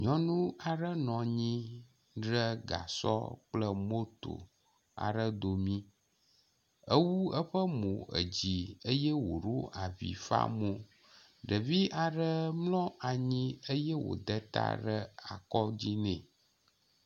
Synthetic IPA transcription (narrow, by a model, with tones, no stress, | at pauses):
ɲɔ̃˦nũ˦a˨ɖə˦nɔ̃˨ɲĩ˦ | ɖɾə˦ɡa̰˨sɔ̰˦k͡plə˦mo˦t̪o̰˨ | a̰˨ɖə˦d̪o˨mĩ˦ | ə˦wu˦ə˦ɸə˦mõ˨ə̰˨d͡ʑi˨ə˦jɛ˦wo˨ɾo˦ʔa˨vḭ˨fa̰˦mõ˦ | ɖə˨vi˦ʔa˨ɖə˦mlɔ̃˦a˨ɲĩ˦ə˦jɛ˦wo̰˨d̪ə˦t̪a̰˦ɖə˦a˨kɔ˦d͡ʑi˦nɛ̃˨